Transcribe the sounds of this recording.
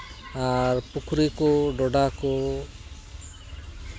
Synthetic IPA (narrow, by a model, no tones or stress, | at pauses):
aɾpukʰɾikɔɖɔɖakɔ